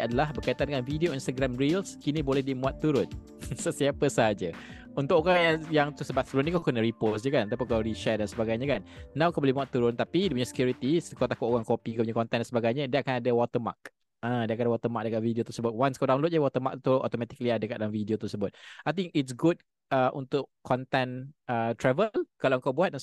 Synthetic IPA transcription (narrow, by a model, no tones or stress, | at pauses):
adəlahbərkait̪ankanvidioinst̪aɡɾamɾilskinĩbolɛhdimũat̪ːuɾʊn | səsiapəsəɦad͡ʒə | unt̪ʊʔkoɣajajaŋt̪usəbat̪̚səbəɾʊnɲəkakənəɾiposd͡ʒəkant̪apikawɾiʃɛdansəbaɡajɲəkanːãwkabolɛhmũat̪ːuɾʊnt̪apidipuɲasə̥kjuɾit̪iskawt̪akʊʔoɣaŋkopikapuɲakɔnt̪ɛndansəbaɡajɲədiəakanadəwɔt̪əma̰k̚ | ʔãdiakandawɔt̪əmak̚dəkaʔ̪̚vidiot̪əsəbʊt̪̚wanskawdaw̃nlot̪̚ɲəwɔt̪əmak̚t̪uɔ̰t̪omɛt̪i̥kliadəkat̪̚dalamvidiot̪əsəbʊt̪̚ajt̪ĩŋkɪtsɡut̚ | əʔunt̪ʊʔkʰːɔnt̪ɛnət̪ɾɛvəlkalawəŋkawbuat̪̚dans